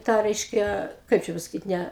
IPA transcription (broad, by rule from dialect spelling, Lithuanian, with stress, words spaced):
ˈtɑː ˈrʲɛɪʃʲkʲɛ ˈkɐɪp t͡ʃʲɛ pɐsɐˈkʲiːt ˈnʲæ